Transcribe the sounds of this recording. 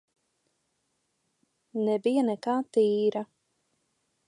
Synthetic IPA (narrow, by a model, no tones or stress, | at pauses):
nɛbijanɛkaːt̪iːɾa